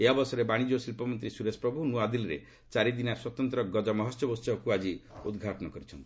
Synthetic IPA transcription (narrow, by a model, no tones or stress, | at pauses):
eabɔsɔɾebaɽ̃id͡ʒosilpɔmɔnt̪ɾisuɾespɾɔbʱunuad̪ilɾḛ | t͡ʃaɾid̪inaɾswɔt̪ɔnt̪ɾɔɡɔd͡ʒɔmɔɦɔsjɔbɔst͡ʃɔkuad͡ʒiṵd̪ɡʱaʈɔnɔkɔɾit͡ʃʰɔnt̪i̥